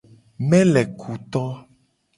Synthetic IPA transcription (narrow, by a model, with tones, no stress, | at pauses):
mɛ̃˦lɛ˨kʰu˨t̪ɔ˦